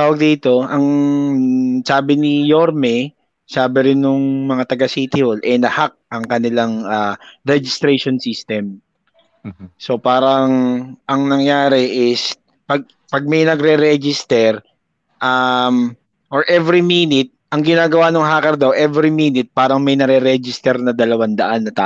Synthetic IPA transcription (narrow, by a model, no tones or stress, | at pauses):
t̪aːwɐɡ̚d̪iːt̪o̞ʔɐŋ | saːbɪnɪjoɾmɛ | saːbɪɾɪnːʊŋmɐŋat̪ɐɡɐsiːt̪ɪholʔɛnɐhak̚ʔɐŋkɐnɪlaŋʔaːɾɛd͡ʒɪst̪ɾejʃonsist̪ɛm | so̞paːɾɐŋʔɐŋnɐŋjaːɾɛʔɪs | pɐɡ̚ | pɐɡ̚mɐjnɐɡɾɛɾɛd͡ʒɪst̪ɛɾ | ʔam | ʔoɹʔɛvɾimiːnɪt̪̚ʔɐŋɡɪnaːɡɐwanoŋɦaːkɐɾd̪ɐwʔɛvɾimiːnɪt̪̚paːɾɐŋmɐjnɐɾɛɾɛd͡ʒɪst̪ɛɾnɐd̪ɐlɐwand̪ɐʔanːɐt̪a̰ː